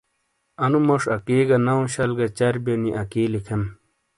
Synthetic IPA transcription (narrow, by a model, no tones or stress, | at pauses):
ɐnumɐʂɐkiːɡɐnɐũɕɐlɡɐt͡ɕɐɾbeniʔɐkiːlikʰem